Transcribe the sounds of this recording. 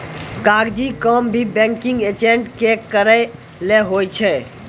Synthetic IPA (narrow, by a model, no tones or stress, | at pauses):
kaɡd͡ʒikəmbʱibɛ̃ŋkĩŋɡet͡ʃeɳʈkekəɾə | leɦojt͡ʃʰɛ